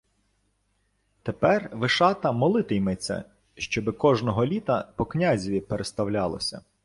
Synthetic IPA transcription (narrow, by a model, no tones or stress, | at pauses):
t̪epɛrʋɪʃɑt̪ɐmɔlˠɪt̪ɪjmɛt͡sʲːɐ̰ | ʃt͡ʃɔbɪkɔʒnɔɦɔlʲit̪ɐpɔknʲazʲiʋʲipeɾʔest̪ɐwlʲɑlˠɔ̰sʲɐ̰